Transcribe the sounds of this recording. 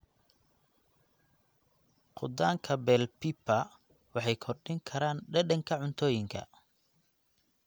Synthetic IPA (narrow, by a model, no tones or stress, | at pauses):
qʊd̪aːŋkʰɐbɛlpipɐ | wɑħɑjkʰɔrɖɪŋkʰɐɾaːnɖɐɖɐŋkʰɐʕʊnt̪ʰɔːjɪŋkʰɐ̰